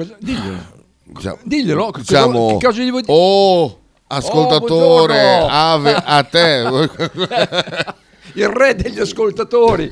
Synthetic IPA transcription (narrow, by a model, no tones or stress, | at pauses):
d̪iʎːḛlo̰ | it͡ʃa̰d̪iʎːelokit͡ʃaːmokːɔzed̪ivoo | askolt̪aoːɾeaːveʔat̪ːɛ | irɛd̪eʎːaskolt̪at̪oːɾi